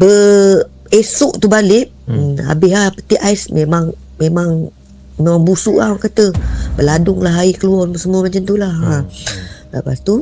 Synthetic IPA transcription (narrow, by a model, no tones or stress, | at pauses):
bə | esʊʔt̪ubalɪʔ | a̰bɪɦapət̪iʔajsmemaŋ | memaŋ | memaŋbusuʔamakat̪əbəladʊŋlaɦaikəluɔməsəmuəmat͡ʃant̪ulaha | lə̰past̪u